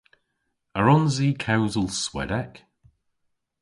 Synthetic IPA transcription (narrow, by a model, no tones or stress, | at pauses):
əɹɔ̃nziːkʰawzəlˠswɛ̰dɛk